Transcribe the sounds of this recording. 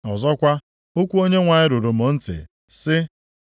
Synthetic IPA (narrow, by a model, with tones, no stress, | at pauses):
ɔ˨zɔ˦kʷa˦ | o˦kʷu˦o˦ɲe˦ŋʷa˨ɲɪ˦ɾu˨ɾo˨m̩o˨˦n̩˦tɪ̰˨ | sɪ˦